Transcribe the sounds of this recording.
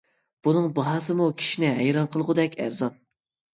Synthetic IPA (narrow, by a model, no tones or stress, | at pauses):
b̥unɨŋbɑɦɑːsɨmukʲʰi̥ʃinɪɦɛjɾɑnqʰəlˠʁʊd̪ɛkʲʰæ̰ɾzɑn